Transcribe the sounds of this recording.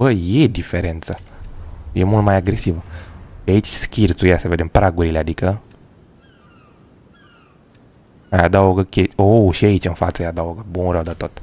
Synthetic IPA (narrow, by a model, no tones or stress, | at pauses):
əjed̪ifeɾent̪sa | jemult̪majaɡɾesivəait͡ʃʲskʲirt̪sujasəved̪empɾaɡuɾilead̪ikə | ajad̪aoɡəkʲeoʃiait͡ʃʲɨnfa̰t̪səjad̪aoɡəbunɾəwd̪at̪ot̪